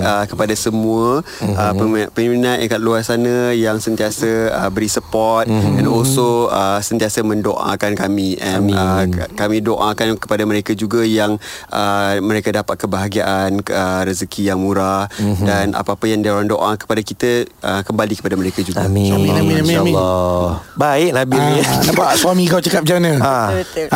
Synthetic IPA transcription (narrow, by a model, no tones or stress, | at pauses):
əkəpadasəmũə | əpəmiminãnʔəkat̪̚luarsanə̃jaŋsənt̪iasəəbəɾisəpɔt̪̚danosoəsənt̪iasəmə̃ndoʔa̰kankamiʔɛnəkamĩdoʔakankə̥padaməɾekad͡ʒuɡajaŋ | ʔəməɾekadapat̪̚kəbəɦaɡiaʔanəɾəzəkijaŋmũɾahdana̰paapəjaŋdiɾandoʔakə̥padakit̪əʔəkəmbalikəpadaməɾekad͡ʒuɡamm | baɪʔ̚labɪapasamĩɡawt͡ʃakap̚d͡ʒanəa